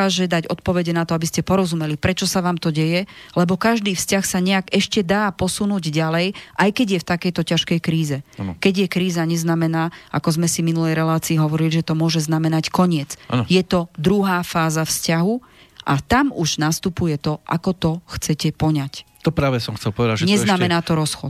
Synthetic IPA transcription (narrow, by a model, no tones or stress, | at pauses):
aːʒɛd̪aɟɔ̰t̪pɔʋɛɟɛnat̪ɔabiscɛpɔɾɔzumɛlipɾɛt͡ʃɔsaʋaːmt̪ɔɟɛjɛlɛbɔkaʒd̪iːfscaxsaɲɛaɡɛʃcɛd̪aːpɔsunuːɟɟalɛjʔajkɛɟjɛft̪akɛjt̪ɔcaʃkɛjkɾiːzɛkɛɟjɛkɾiːzaɲɛznamɛnaːakɔzmɛsiminulɛjɾɛlaːt͡siːɦɔʋɔɾiliʒɛt̪ɔmʊɔʒɛznamɛnackɔɲɪɛt͡sa̰njɛt̪ɔd̪ɾuɦaːfaːzafscaɦu | ʔat̪amuʒnast̪upujɛt̪ɔʔa̰kɔt̪ɔxt͡sɛcɛpɔɲac | t̪ɔpɾaːʋɛsɔmxt͡sɛlpɔʋɛd̪aʒɛɲɛznamɛnaːt̪ɔɾɔsxɔ̰t̪